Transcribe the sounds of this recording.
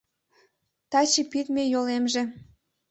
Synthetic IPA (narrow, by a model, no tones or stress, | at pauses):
t̪ɑt͡ɕipit̪mejolemʒĕ